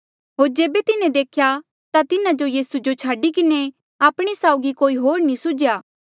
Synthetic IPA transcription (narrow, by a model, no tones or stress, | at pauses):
ɦoːɾd͡ʒeːbet̪ɪnẽd̪eːkʰja | t̪at̪ɪnãd͡ʒojiːsud͡ʒot͡ʃʰaːɖikɪne | aːpɽ̃isaːʊɡikoːiɦoːɾnĩsʊd͡ʒjaː